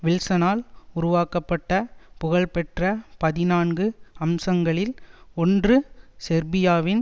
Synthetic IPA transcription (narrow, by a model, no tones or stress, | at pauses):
ʋɪlsɐnaːlʊɾʊʋaːkɐpːɐʈːɐpʊɣɐɭpɛʈrɐpɐðɪnaːnɡɯɐmsɐŋɡɐɭɪlɔndrɯsɛɾbɪjaːʋɪn